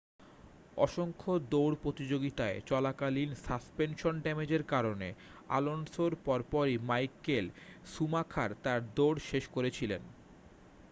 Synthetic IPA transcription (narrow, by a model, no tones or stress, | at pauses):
ɔ̰ʃoŋkʰod̪oɽpɾot̪id͡ʑoɡit̪aet͡ɕɔlakalinsaspenʃonɖɛmed͡ʑeɾkaɾonea̰lonsoɾpɔɾpɔɾimajkelsumakʰaɾt̪aɾd̪oɽʃeʃkoɾet͡ɕʰilen